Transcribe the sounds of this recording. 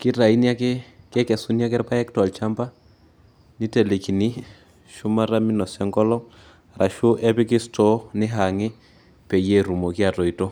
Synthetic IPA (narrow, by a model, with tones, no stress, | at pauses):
kɪ˦ɾa˨i˦nja˦kɛ˦kɛ˦kɛ˨su˦nja˦k̬ɛ˦ɾpa˦ɛ˦k̚twa˨lt͡ʃa˦mba˦ | ni˦tɛ˨le˨ki˨ni˦ | ʃu˦ma˦ɾa˦mi˦nɔ˨sɛ˦ŋɡɔ˦lɔ˦ | rʔa˨ʃu˦ʔɛ˦pɪ˦kɪ˦stʰɔ˨˦nɪ˦ɦa˨ŋɛ˦ | pɛ˨jɛ˦ɾu˨mɔ˨ki˦a˨tɔ˨i˨tɔ˦